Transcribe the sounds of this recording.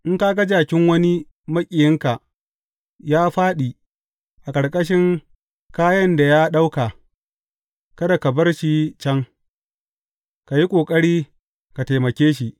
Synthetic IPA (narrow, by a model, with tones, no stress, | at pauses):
ʔɪ˦ŋkaː˦ɡɐ˦d͡ʒaː˨kʲɪ˦ŋwɐ˦ni˦ | mɐ˦kʲʼɪ˨jɪ˦ŋka˨ʔ | jaː˦ɸaː˦ɗiː˨ | ʔa˨kʼɐ˨ɽkʼɐ˦ʃɪ˦ŋ | kaː˦jɐ˦nda˨jaː˦ɗa˦wka˨ | kɐ˦da˨kɐ˨bɐ˦rʃi˨t͡ʃɐ˦ŋ | ka˨ji˦kʷʼoː˨kʼɐ˦ɽiː˦ | ka˨ta˨jmɐ˨kʲeː˦ʃi˦˨ʔ